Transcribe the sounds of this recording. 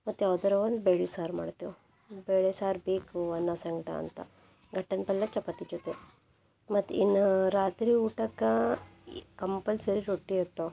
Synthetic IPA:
mɐt̪ːaʋd̪ɐɾɐʋɐnd̪beːɭisaːɾma̰ːɽt̪eʋ | beːɭesaːɾbiːkɐnːasɐŋɡɐʈa̰ɐ̰nt̪ɐ̰ | ɡɐʈːɐnpɐlːɐt͡ʃɐpːɐt̪ːit͡ʃot̪ːe | mɐt̪ːinːɐɾaːt̪ɾiuːʈɐkɐ | kɐmpɐlsɐɾiɾoʈːiːɾt̪ːo

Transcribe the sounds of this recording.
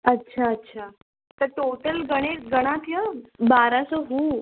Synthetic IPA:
ətːɕʰaətːɕʰa | t̪əɾʈoʈəlɡəɽ̃eʈɡəɽ̃ãt̪jəbaɾãsɔɦu

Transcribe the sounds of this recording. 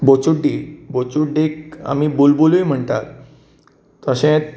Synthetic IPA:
bot͡ɕuɖːibot͡ɕuɖːeka̰miːbulbulujm̤əɳt̪at̪ː | əɕẽ

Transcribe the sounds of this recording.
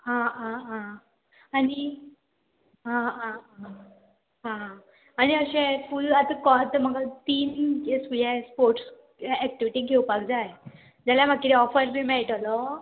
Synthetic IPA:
ɦãɦãɦã | ani | ɦãɦãɦã | ɦãɦã | añiəɕɛ̃fulat̪əkɔt̪əməɡat̪iːnesujɛspoɾʈs | ɛk̚ʈiʋiʈiɡʱewpakd͡zaj | d͡ʑalamak̚kːiɾiɔfəɾbʱimɛɭʈalɔ

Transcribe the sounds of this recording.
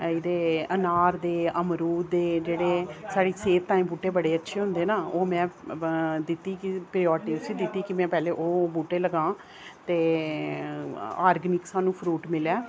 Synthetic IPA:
ɪd̪eːənaːɾd̪eːəmɾuːd̪d̪eːd͡ʒeːɽeːsaːɽiːseːt̪ːaːĩːmbuːʈeːbəɽeːətːʃʰeːɦʊ̃nd̪eːnaːoːmɛ̃ː | d̪ɪt̪ːiːkɪpɾɪːɔːɾʈiːsiːd̪ɪt̪ːiːkɪmɛ̃ːpɛːleːʔoːbuːʈːeːləɡãː | t̪eː | aːɾɡnɪksaːnũːpʰɾuːʈmɪlɛː

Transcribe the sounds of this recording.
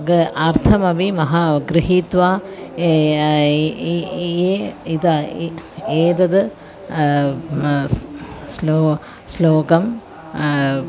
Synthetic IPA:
ɡɐʔɐɾt̪ʰɐmɐbimɐɦɐɡɾiɦit̪ʋaː | eid̪ɐ | eːd̪ɐd̪ɨ | sloː | sloːɡɐm

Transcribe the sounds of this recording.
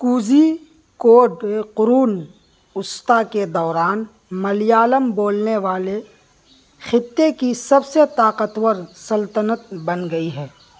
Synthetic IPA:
kuːd͡ʒi | koːɖeqʊɾuːn | ʊst̪aked̪ɔːɾaːn | mɐlɪjaːləmboːlneʋaːle | xɪt̪ːekisɐbset̪aːqət̪wəɾsɐlt̪ənət̪̚bɐnɡɐiɦɛː

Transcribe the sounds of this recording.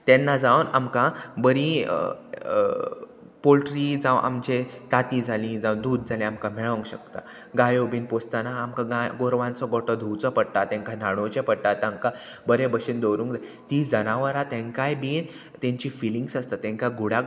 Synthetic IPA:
t̪ɛnːad͡zaʋna̰mkabəɾi | polʈɾid͡zaʋʔa̰md͡ʑet̪at̪id͡zʱalĩd͡zawd̪uːd̪̚d͡zʱalĩamkam̤ɛɭə̃ŋkɕəkt̪a | ɡajobiːnpost̪anaːmkaɡaɡoɾʋãnt͡sɔɡɔʈɔd̪ʱuwt͡sɔpəɽʈ̪at̪ɛ̃ŋkanaɽ̃ot͡ɕepəɽʈat̪amka | bəɾebəɕind̪owɾũŋkd͡zat̪id͡zənaʋəɾat̪ɛ̃ŋkajbiːn | t̪ẽɲt͡ɕiːfiliŋɡsast̪at̪ɛ̃ŋkaɡʱuɽa

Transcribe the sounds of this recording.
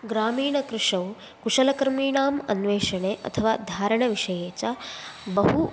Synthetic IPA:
ɡɾaːmiːɳɐkɾɪʂɐw | kuʂɐlɐkɐɾmiːɳaːmɐ̰nʋeːʃɐɳeːʔɐ̰t̪ʰɐʋaːd̪ʱaːɾɐɳɐʋiʂɐjeːt͡ʃɐbɐɦu

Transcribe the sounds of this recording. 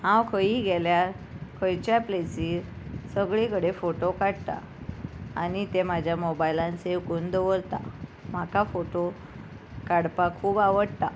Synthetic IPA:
hãwkʰəiɡeljaɾ | kʰəjt͡ɕjaplesiːɾsəɡɭekəɽefoʈokaɽt̪a̰ | anit̪emad͡ʑʱjamobailãnsewkuːnd̪əʋoɾt̪a̰m̤akafoʈo | kaɽpakʰuːbaʋəɽt̪a

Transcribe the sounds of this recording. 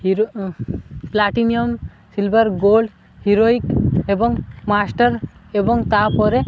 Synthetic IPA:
hiɾo | plaʈiniɔn | silbəɾɡolɖ | hiɾoikebɔŋɡmasʈəɾebɔŋɡt̪apɔɾe

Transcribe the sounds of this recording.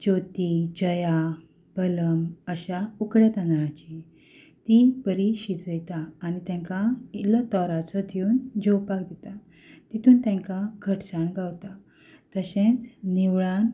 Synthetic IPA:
d͡ʑot̪id͡ʑəja | bələməɕaukɽjat̪ãnd̪ɭãt͡ɕi | t̪ipəɾiɕid͡zəjt̪aːnit̪ɛ̃ŋkailət̪ɔɾat͡sɔd̪ʰʱiuːnd͡ʑowpakd̪it̪a | t̪it̪ʰuːnt̪ɛ̃ŋkaɡʱəʈsaɳɡawt̪a | t̪əɕẽt͡sniʋɭan

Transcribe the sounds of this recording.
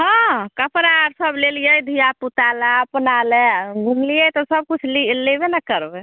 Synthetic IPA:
ɦãkəpʰəɾaɾsəblelijəjd̪ʱijaput̪alɛpənalɛɡʱũmlijət̪ɔsəb̚kut͡ʃʰlilebenakəɾbe

